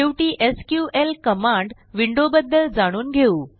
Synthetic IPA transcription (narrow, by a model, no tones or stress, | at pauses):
eʋʈiːʔeskjuːʔelkəmaɳɖ | ʋiɳɖobəd̪ʱːəld͡zaɽ̃uːnɡʱeuː